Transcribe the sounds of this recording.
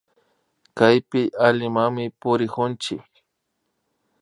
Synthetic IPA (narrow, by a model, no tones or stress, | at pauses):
kajpɪʔaʎɪmaŋmɪpʊɾɪkʊnt͡ʃɪk